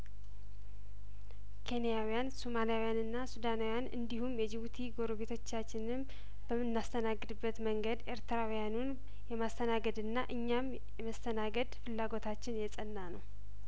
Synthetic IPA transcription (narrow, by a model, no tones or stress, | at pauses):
kʰe̞nijawijansomalijawijanɨnːasud̪anawijanɨ̰nd̪iɦumjɛd͡ʒɪβut̪ʰiɡo̞ɾoβe̞t̪ʰo̞t͡ʃːat͡ʃːɪnɨm | b̥əmɨnːast̪ʰənaɡːɨd̪ɨbːət̪məŋɡəd̪ʔe̞ɾt̪ʰɨɾawijanun | jɛmast̪ʰənaɡəd̪ɨnːaʔɨɲːam | jɛməst̪ʰənaɡəd̪fɨlːaɡo̞t̪ʰat͡ʃːɪnjɛsʼənːanəw